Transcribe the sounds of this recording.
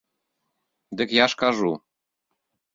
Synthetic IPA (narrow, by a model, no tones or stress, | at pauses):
d̪ɘ̆kjɑʃkɑʒu